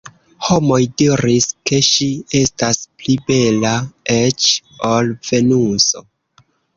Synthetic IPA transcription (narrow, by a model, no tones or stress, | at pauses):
ho̞mo̞jdiɾiske̞ʃie̞stasplibe̞laet͡ʃolv̥e̞nuso